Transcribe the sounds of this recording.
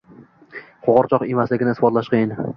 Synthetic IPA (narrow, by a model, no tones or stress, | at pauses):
qʰoʁɑɾt͡ʃʰɒqemazlɪɡʲɪnɪsfɒt̪laʃqʰejɪn